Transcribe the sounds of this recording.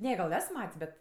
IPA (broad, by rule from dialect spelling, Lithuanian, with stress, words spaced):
ˈnʲɛ ɡɐlˠ ˈɛs ˈmɐtʲsʲ ˈbʲɛt